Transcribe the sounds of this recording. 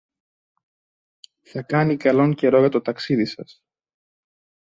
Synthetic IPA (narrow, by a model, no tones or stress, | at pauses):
θɐkɐnikɐlo̞ŋce̞ɾo̞ʝɐt̪o̞t̪ɐksiðisɐs